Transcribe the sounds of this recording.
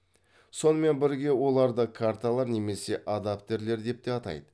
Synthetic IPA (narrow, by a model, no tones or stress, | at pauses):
so̞nəme̞nbɪɾɡʲe̞wo̞lˠɑɾd̪əkʰaɾt̪alˠɑɾne̞me̞se̞ʔad̪apt̪ʲe̞ɾle̞ɾd̪e̞p̚t̪e̞ɑt̪ɑ̰jd̪ə